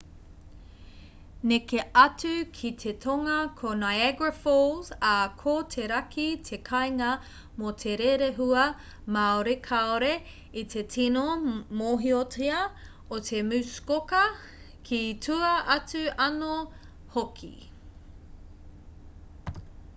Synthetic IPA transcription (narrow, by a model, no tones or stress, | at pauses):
nekeɐt͡sʉkʰit̪ʰetʰoŋɐkʰonajɛɡɹɐfolzɐkʰoːtʰeɾɐkʰit̪ʰekʰɐjŋɐ | mot̪ʰe̞ɾeɾeɦuɐ | maoɾekʰaoɾe | it̪ʰe̞tʰinomoːɦiotiɐ | ot̪ʰe̞mʉskokɐ | kʰitʰuɐʔɐt͡sʉɐno | hokʰḭ